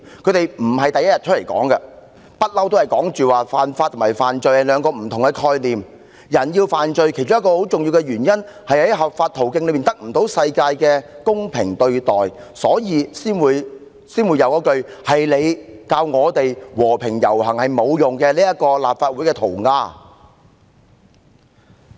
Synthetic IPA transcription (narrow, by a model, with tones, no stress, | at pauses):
kʰɵ˨˧t̪e˨jm̩˨˩hɐ˨jt̪ɐ˨jɐ˥jɐ˨t̚t͡ʃʰɵ˥le˨˩jkɔ̰ː˨˥ŋkɛ˧ | pɐ˥t̚lɐ˥wt̪o˥whɐ˨jkɔː˨˥ŋt͡ʃyː˨˩waː˨faː˨˩nfaː˧t̪ʰːʊ˨˩mːɐ˨˩jfaː˨nt͡ʃɵ˧ɥhɐ˨˧lœː˨˧ŋkɔː˧m̩˨˩t̪ʰʊ˨˩ŋkɛ˧kʰɔː˧jliː˨m | jɐ˨˩njiː˧wfaː˨˩nt͡ʃɵ˧ɥkʰe˨˩jt͡ʃʊ˥ŋjɐ˥kɔː˧ho˨˥wt͡sʊ˨ŋji˧wkɛ˧ɥyː˨˩njɐ˥nhɐ˨jhɐ˨˥jɦɐ˨p̚faː˧t̪̚ʰo˨˩wkɪ˧ŋlɵ˨˧ɥmiː˨nt̪ɐ˥k̚m̩˨˩t̪o˨˥wsɐ˧jkaː˧jkɛː˧kʊ˥ŋpʰɪ˨˩ŋt̪ɵ˧ɥt̪ɔː˨˩jsɔː˨˥jiː˨˧siː˥nwuː˨˧j | siː˥nwuː˨˧jɐ˨˧wkɔː˨˥kɵ˧ɥhɐ˨jle˨˧jkaː˧wŋɔː˨˧t̪e˨jwɔː˨˩pʰɪ˨˩ŋjɐ̰˨˩whɐ˨˩ŋhɐ˨jmo˨˧wjʊ˨ŋkɛː˧liː˥jɐ˥t̚kɔː˧laː˨p̚faː˧t̚wuː˨˥jkɛ˧t̪ʰo˨˩wŋaː˧